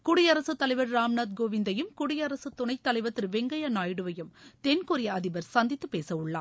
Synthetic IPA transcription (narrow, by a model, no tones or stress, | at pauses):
kʊɽɪjɐɾɐsɯt̪ːɐlɐɪʋɐɾːaːmnaːd̪̚ɡoːʋɪnd̪ɐjɯmkʊɽɪjɐɾɐsɯt̪ːʊɳɐɪt̪ːɐlɐɪʋɐt̪ːɪɾʋɛŋɡɐjɐnaːjɽɯʋɐjɯmt̪ɛnkʊɾɪjɐɐðɪbɐɾsɐnd̪ɪt̪ːɯpːeːsɐʊɭːa̰ː